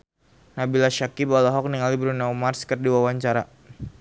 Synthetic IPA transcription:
nabilaʃakibalaɦɔk̚niŋalibɾunaumarskərdiwawaɲt͡ʃaɾa

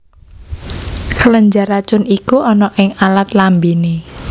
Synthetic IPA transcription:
kələɲd͡ʒaɾat͡ʃʊnikuɔnɔʔɪŋalat̪lambini

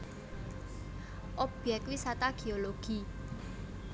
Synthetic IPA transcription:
ʔɔb̥ɛk̪wisat̪aɡ̥e̤oloɡ̥i

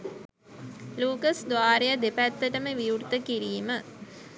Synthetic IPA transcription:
luːkəsd̪ʋaːɾejəd̪epæt̪ːəʈəməʋijurt̪əkiɾiːmə

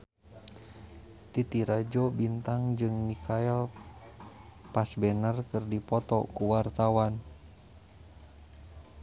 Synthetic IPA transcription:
t̪it̪iɾad͡ʒɔbint̪aŋd͡ʒɨŋmikʰaɛl | pasbɛnərkɨrdipɔt̪ɔ̰kuwart̪awan

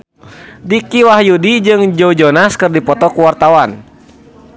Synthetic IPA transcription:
dikiwahjudid͡ʒɨŋd͡ʒɔud͡ʒɔnaskɨrdipɔt̪ɔkuwart̪awan

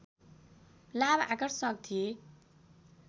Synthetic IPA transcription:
laba̰ɡʌɾsʌ̃k̚t̪ʰije

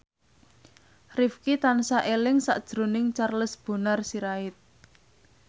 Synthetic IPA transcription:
rɪfkit̪ansaʔelɪŋsa̰ʔd̥ʒ̥ɾo̤nɪŋt͡ʃarləsb̥o̤narsiɾaɪt̪̚

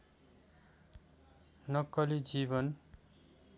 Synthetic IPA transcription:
nʌkːʌlid͡zibʌn

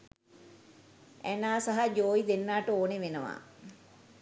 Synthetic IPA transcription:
ænaːsaɦad͡ʒoːjid̪enːaːʈəoːneʋenəʋa̰

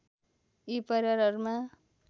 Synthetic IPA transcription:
ipʌɾʌɾʌɾuma

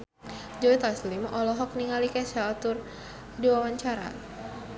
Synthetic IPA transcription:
d͡ʒɔit̪aslimɔlɔɦɔk̚niŋalikɛsat̪ʊr | diwawaɲt͡ʃaɾa̰

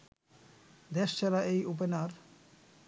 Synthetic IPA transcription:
d̪eʃt͡ɕʰɛɾaʔejup̬enaɾ

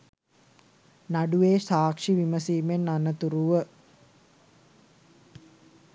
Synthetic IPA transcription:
naɖuʋeːsaːkʂiʋiməsiːmenːanət̪uɾuʋə

